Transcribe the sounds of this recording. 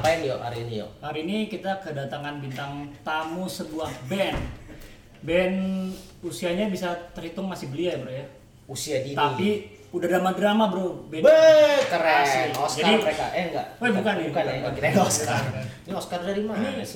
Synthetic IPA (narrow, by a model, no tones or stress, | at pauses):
apajanjo̰ha̰ɾiːnijɔ̰haɾiːnikit̪akədat̪aŋanbint̪aŋt̪amusəbuahbɛn | bɛn | usiaɲabisat̪ərhit̪ʊŋmasɪhbəliabəɾoja | usiadint̪api | udahdamaɡəɾamabəɾubɛbəkəɾɛsɔsd͡ʒaadiməɾeka̰ʔŋɡa̰ʔɛbukanikankit̪aŋaɔskainioskardaɾimanaa